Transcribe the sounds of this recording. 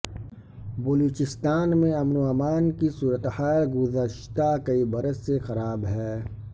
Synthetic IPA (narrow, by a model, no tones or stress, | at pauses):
bɐloːt͡ʃɪst̪aːnmẽɐmnuaːmaːnkisuːɾət̪haːlɡʊzəʃt̪akɐibɐɾəsexɐɾaːbɦɛː